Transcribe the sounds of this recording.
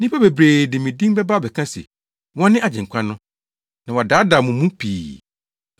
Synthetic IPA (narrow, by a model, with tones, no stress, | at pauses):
nĩ˦pʰa˦be˨bɾeː˨dɪ̃˨mĩ˨dĩ˦ŋ˦bɛ˦ba˦bɛ˨kʰã˦sḛ˨ | wɔ̃˦nːɪ̃˦a˨d͡ʑɪ̃˨ŋ˨kʷʰã˦nʊ̃˦ | nã˨wa˨daː˨˦da˨mʊ̃˨mũ˦pʰḭː˨